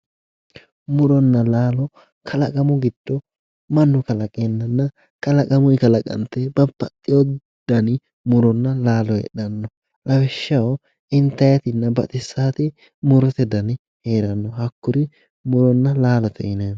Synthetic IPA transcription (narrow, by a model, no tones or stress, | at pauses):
mʊɾɔnːɐlaːlɔ | kʰɐlɐkʼɐmʊɡɪd̪̥ːɔ | mɐnːʊkɐlɐkʼenːɐnːɐ | kʼɐlɐkʼɐmʊɪkɐlɐkʼɐ̰nt̪ɛbɐpːɐtʼːɪjɔ | d̪̥ɐnɪ | mʊɾɔnːɐlaːlɔjɛ̰ᶑɐnːɔ | lɐwɛʃːɐw | ʔɪnt̪ːɐjɐt̪ɪnːɐbɐ̰t̪ʼɪsːaːt̪ɪ | mʊɾɔt̪ɛd̪ɐn | heːɾɐnːɔhɐkːʊɾɪ | mʊɾɔnːɐlaːlɔt̪ʰɛ̰ɪne